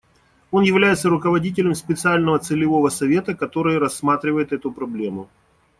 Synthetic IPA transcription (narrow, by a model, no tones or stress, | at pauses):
o̞njɪvlʲæjɪt̪səɾʊkəvɐdʲit̬ʲɪlʲɪmspʲɪt̪sɨalʲnəvət̪sɨlʲɪvo̞vəsɐvʲe̞t̪əkɐt̪o̞ɾɨjəɾɐsːmat̪ɾʲɪvəjɪt̪ɛt̪ʊpɾɐblʲemʊ